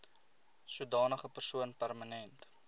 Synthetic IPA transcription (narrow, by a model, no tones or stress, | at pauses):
sudɑːnəχəpərsuənpærmənɛnt